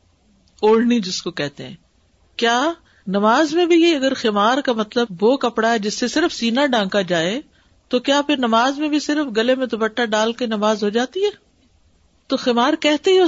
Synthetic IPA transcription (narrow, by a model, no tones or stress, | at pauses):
oːɽ̤nid͡ʒɪskokɛɦt̪eɦɛ̰̃ː | kjaː | nɐmaːzmẽbʱieɐɡəɾxemaːɾkamɐt̪ləbːokɐpɽaɦɛd͡ʒɪsːesɪɾəfsiːnaɖãːkad͡ʒaːe | t̪okjaːpʰɪɾnɐmaːzmẽbʱisɪɾəfɡɐlemẽt̪obɐʈːaɖaːlkenɐmaːzɦod͡ʒaːt̪iɦɛː | t̪oxemaːɾkɛɦt̪eɦɛ